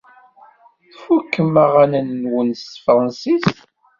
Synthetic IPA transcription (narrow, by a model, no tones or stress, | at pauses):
θfukːəmaʁænənːwənsfɾˤɑnsis